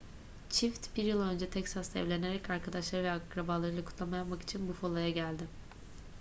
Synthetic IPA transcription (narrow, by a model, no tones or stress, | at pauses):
t͡ʃʰift̪biɾjɯlˠø̞nd͡ʒɛt̪ʰɛcsast̪aɛ̰vlʲe̞ne̞ɾɛcaɾkʰad̪aʃlˠaɾɯvɛakɾabaːlˠaɾɯlˠakʰu̥t̪lˠamajapmaki̥t͡ʃʰinbufolˠajaɟælʲd̪ɪ